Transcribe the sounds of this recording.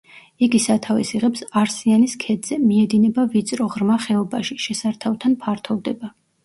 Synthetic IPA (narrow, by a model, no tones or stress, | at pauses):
iɡisat̪ʰavɛsiʁɛpsaɾsianiskʰɛd̪z̥ɛmiɛd̪inɛbavit̪sʼɾɔʁɾmaχɛɔbaʃiʃɛsaɾt̪ʰavt̪ʰanpʰaɾt̪ʰɔvd̪ɛba